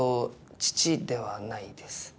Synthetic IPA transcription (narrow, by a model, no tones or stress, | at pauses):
ot͡ɕi̥t͡ɕid̪e̞βanaid̪e̞sɨ̥